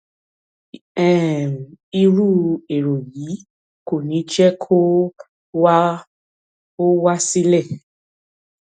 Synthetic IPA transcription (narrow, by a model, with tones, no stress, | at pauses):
ɛ̃˨m˨i˧ɾu˦e˨ɾo˨ji˨˦ | ko˦˨nĩ˨˦t͡ʃɛ˦kʰo˦ | wa˦ | ko˦wa˦si˦lɛ˦˨